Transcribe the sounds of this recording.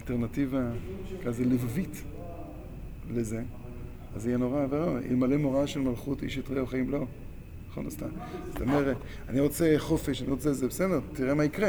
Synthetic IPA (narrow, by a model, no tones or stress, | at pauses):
alteʁnativakazelivavit̪ | leze | azijeno̞ʁaveʁoḭlmale̞moʁaʃelmalχutḭʃjot̪ʁeoχaimlo̞ | naχo̰nust̪amzt̪omeʁe | aniʁo̞t͡seχo̞feʃaniʁot͡selzebesedeʁt̪iʁemaikʁe